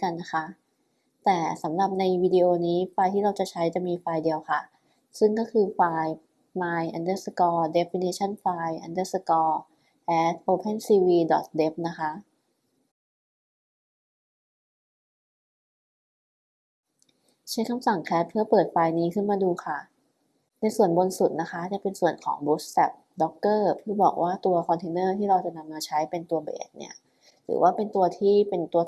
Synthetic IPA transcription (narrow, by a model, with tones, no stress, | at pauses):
ka˧nːa˦˥kʰa˦˥ʔ | t̪ɛː˨˩sa˩˦mɾa˨˩p̚na˧jwiː˧diː˧ʔoː˧niː˦˥faː˧jt̪ʰiː˥˩ɾa˧wt͡ɕa˨˩t͡ɕʰa˦˥jt͡ɕa˨˩miː˧faː˧jdi˧əwkʰa˥˩ | sɯ˥˩ŋkɔː˥˩kʰɯː˧faː˧j | maː˧jʔa˧ndɤː˧˥˩sa˧˩kɔː˧de˦˥fi˧niː˧˥t͡ɕʰa˥˩nfaː˧jʔa˧ndɤː˦˥˩sa˧˩kɔː˧ | ʔɛː˦˥t̪̚ʰʔoː˧pʰe˥˩nsiː˧wiː˧dɔ˨˩t̪̚de˦˥p̚na˦˥kʰa˦˥ʔ | t͡ɕʰa˥˩˨kʰa˧msa˨˩ŋkʰɛː˦˥p̚pʰɯ˥˩ɐpɤː˨˩t̪̚faː˧jniː˦˥kʰɯ˥˩nmaː˧duː˧kʰa˥˩ | na˧jsu˨˩ənbo˧nsu˨˩t̪̚na˦˥kʰa˦˥t͡ɕa˨˩pe˧nsu˨˩ənkʰɔ̰ː˩˦ŋbu˦˥ssa̰˨˩t̪̚dɔ˦˥kːɤː˥˩pʰɯ˥˩bɔ̰ː˨˩k̚waː˥˩t̪u˧ɐkʰɔ˧nt̪ʰeː˧nɤː˥˩t̪ʰiː˥˩ɾa˧wt͡ɕa˨˩na˧mːaː˧t͡ɕʰa˦˥jpe˧nt̪u˧ɐbḛː˨˩t̪̚nḭ˥˩ɐ | ɾʰɯ̰ː˩˦wʔaː˥˩pe˧nt̪u˧ɐt̪ʰiː˥˩pe˧nt̪u˧ɐ